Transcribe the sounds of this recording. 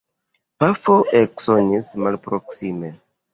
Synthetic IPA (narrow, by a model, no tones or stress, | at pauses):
pafoʔeksonismalpɾoksime